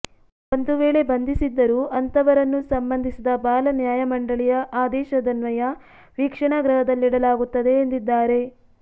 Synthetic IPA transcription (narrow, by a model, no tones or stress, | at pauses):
o̞nd̪uʋeːɭe̞bɐnd̪ʱisid̪ːɐɾuːʔɐnt̪ɐʋɐɾɐnːusɐmbɐnd̪ʱisid̪ɐbaːlɐnjaːjɐmɐɳɖɐɭijɐʔaːd̪ɛːʃɐd̪ɐnʋɐjɐ | ʋiːkʂɐɳaɡɾɐɦɐd̪ɐlːiɽɐlaːɡut̪ːɐd̪e̞ːnd̪id̪ːaːɾe̞